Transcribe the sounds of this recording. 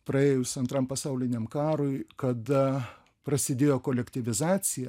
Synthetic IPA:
pɾɐeːjʊsɐnt̪ɾɐmpɐsɐʊlʲɪnʲemkɑːɾoɪkɐd̪ɐ | pɾɐsʲɪd̪ʲeːjoːkoːlʲɛkt̪ʲɪʋʲɪzɑːt̪sʲɪjɛ

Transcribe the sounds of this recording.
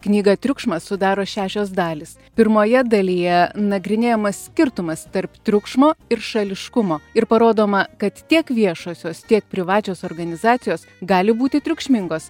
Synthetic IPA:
knʲiːɡɐt̪ʲɾʲʊkʃmɐssʊd̪ɑːɾoːʃʲæːʃʲoːs̬d̪ɑːlʲɪs | pʲɪɾmoːjɛd̪ɐlʲijɛnɐɡɾʲɪnʲeːjomɐsʲsʲkʲɪɾt̪ʊmɐst̪ɐɾpt̪ʲɾʲʊkʃmoːɪɾʃɐlʲɪʃkʊmoːɪɾpɐɾoːd̪oːmɐkɐt̪t̪ʲiɛkʋʲiɛʃoːsʲoːst̪ʲiɛk̚pʲɾʲɪʋɑːt͡ʃʲoːsoːɾɡɐnʲɪzɑːt̪sʲɪjoːs | ɡɑːlʲɪbuːt̪ʲɪt̪ʲɾʲʊkʃʲmʲɪŋɡoːs

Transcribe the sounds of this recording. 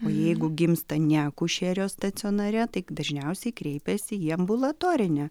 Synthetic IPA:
oːjɛɪɡʊɡʲɪmst̪ɐnʲæːkʊʃʲeːɾʲoːst̪ɐsʲɪoːnɐɾʲɛt̪ɐɪd̪ɐʒʲnʲɛʊsʲɛɪkɾʲɛɪpʲɛsʲɪiɐmbʊlˠɐt̪oːɾʲɪnʲɛ

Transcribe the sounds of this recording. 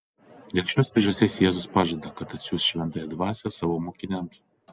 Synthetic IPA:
d̪ʲeːlʲˠʃʲoːspʲɾʲeːʒɐst̪ʲeːsjɛːzʊspɑːʒɐd̪ɐkɐt̪ɐt̪ʲsʲuːsʃʲʋʲɛnt̪ɑːjɛd̪ʋɑːsʲɛsɑːʋomoːkʲɪnʲɛms

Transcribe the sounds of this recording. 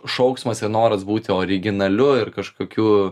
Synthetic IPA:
ʃɐʊksmɐsɪrnoːɾɐsbuːt̪ʲɪoːɾʲɪɡʲɪnɐlʲʊɪrkɐʃkoːkʲuː

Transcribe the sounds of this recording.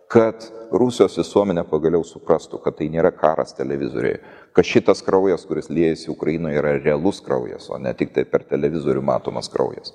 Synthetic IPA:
kɐt̪ɾusʲɪjoːsʋʲɪsuɔmʲɛnʲɛpɐɡɐlʲɛʊsʊpɾɑst̪ʊkɐt̪t̪ːɐɪnʲeːɾɐkɑːɾɐ̰st̪ʲɛlʲɛʋʲɪzo̰ːɾʲɛ̰ɪ | kɐt̪ʃʲɪt̪ɐskɾɐʊjɛskʊɾʲɪslʲiɛjɛsʲɪʊkɾɐjinoːjiːɾɐɾʲɛɐlˠʊskɾɐ̰ʊjɛ̰so̰ːnʲɛ̰t̪ʲɪk̚t̪ɐɪpʲɛrt̪ʲɛlʲɛʋʲɪzoːɾʲʊmɑ̰ːt̪o̰ːmɐ̰skɾɐ̰ʊjɛ̰s

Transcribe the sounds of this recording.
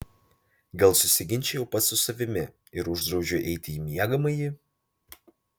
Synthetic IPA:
ɡɐlˠsʊsʲɪɡʲɪnʲt͡ʃʲɛjɛʊpɐt̪sʊsɐʋʲɪmʲɪ | ɪɾʊʒd̪ɾɒʊʒʲʊʔɛɪt̪ʲɪjimʲiɛɡɐmɐɪjɪ

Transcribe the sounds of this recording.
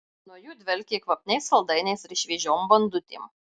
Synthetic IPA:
nuːjuːd̪ʲʋʲɛlʲkʲekʋɐpʲnʲɛɪsɐlˠd̪ɐɪnʲɛɪsɾʲɪʃʲʋʲiɛʒʲoːmbɐnd̪ʊt̪ʲḭːm

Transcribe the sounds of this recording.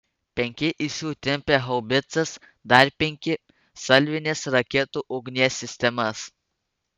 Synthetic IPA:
pʲeŋkʲeʔisut̪ʲempeɦɐwbet͡sɐs | d̪aɾʲpʲeŋke | sɐlʋinʲesɾɐkʲet̪uʔoɡniasist̪ʲemɐs

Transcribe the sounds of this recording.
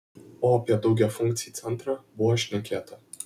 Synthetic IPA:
opʲad̪owɡʲafuŋkt̪sijt̪sɛnt̪ɾabuaʃʲnəkʲat̪ʰə

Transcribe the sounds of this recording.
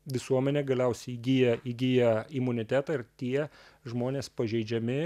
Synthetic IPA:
ʋʲɪsuɔmʲɛnʲeːɡɐlʲɛʊsʲɛɪiɡʲijɛiɡʲijɛɪmʊnʲɪt̪ʲæːt̪ɑɪrt̪ʲiɛʒmoːnʲeːspɐʒʲɛɪd͡ʒʲɛmʲɪ

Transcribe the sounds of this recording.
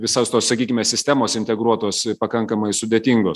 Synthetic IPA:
ʋʲɪsoːst̪oːsɐkʲiːkʲɪmʲɛːsʲɪsʲt̪ʲæːmoːsɪnʲt̪ʲɛɡɾuɔt̪oːspɐkɐŋkɐmɐɪsʊd̪ʲeːt̪ʲiŋɡoːs

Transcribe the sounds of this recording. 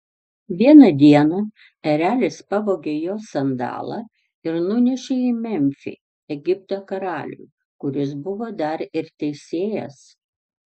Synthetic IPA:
ʋʲiɛnɐd̪ʲiɛnɐ | ɛɾʲæːlʲɪspɐʋoːɡʲejoːsɐnd̪ɑ̰ːlˠɑ̰ | ɪɾnʊnʲɛʃʲeimʲɛmʲfʲḭ | ɛɡʲɪp̚t̪oːkɐɾɑːlʲṵː | kʊɾʲɪsbʊʋoːd̪ɐɾɪɾt̪ʲɛɪsʲeːjɛ̰s

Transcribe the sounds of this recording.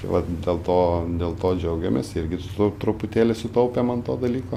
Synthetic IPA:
ʋɐtd̪ʲeːlˠt̪oːd̪ʲeːlˠt̪oːd͡ʒʲɛʊɡʲɛmʲḛsɪɾʲɡʲɪtʊt̪ot̪ɾʊpʊt̪ʲeːlʲɪsʊt̪ɐʊpʲeːmɐnt̪oːd̪ɐlʲiːkoː

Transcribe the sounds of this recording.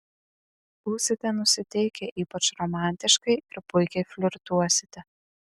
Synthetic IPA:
b̥uːsʲɪt̪ʲɛnʊsʲɪt̪ʲɛɪkʲɛʔiːpɐt͡ʃɾɔmɑˑnʲt̪ʲɪʃkɐɪɪɾpʊɪkʲɛɪfʲlʲʊɾt̪uɔsʲɪ̥t̪ʲɛ

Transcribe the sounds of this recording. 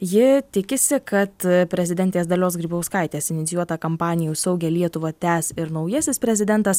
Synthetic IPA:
jɪt̪ʲɪkʲɪsʲɪkɐt̪pʲɾʲɛzʲɪd̪ʲɛnʲt̪ʲeːsd̪ɐlʲoːsɡɾʲiːbɐʊskɐɪt̪ʲeːsɪnʲɪt̪sʲjuɔt̪ɐkɐmpɑːnʲɪjuːsɐʊɡʲɛːlʲiɛt̪ʊʋɐːt̪ʲæːsɪɾnɐʊjɛsʲɪspʲɾʲɛzʲɪd̪ʲɛnt̪ɐs

